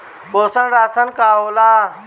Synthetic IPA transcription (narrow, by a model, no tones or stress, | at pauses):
ɓoːsəɳɾaːsənkaːoːlaː